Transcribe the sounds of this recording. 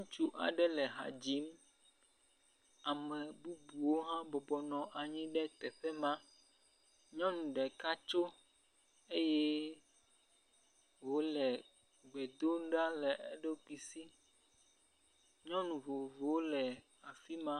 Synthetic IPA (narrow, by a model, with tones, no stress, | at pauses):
ũ˦t͡ʃu˦ʔa̰˨ɖɛ˦lɛ˨ɦa̰˨d͡ʑi˦m | a˨mɛ˨bu˦bu˨wo˦ɦã˦bɔ˨bɔ˨nɔ̃˨ʔa˨ɲĩ˦ɖɛ˦t̪ɛ˨ɸɛ˦mã˦ | ɲɔ̃˦nũ˨ɖɛ˨ka˦t͡ʃo˦ | e˦jɛ˦ | wo˦lɛ˨ | ɡ͡bɛ˨d̪o˦ŋ˦ɖa˦lɛ˨ɛ˦ɖe˦k͡pi˨si˦ | ɲɔ̃˦nũ˨vo˨vo˦lɛ˨ | a˨fi˦mã˦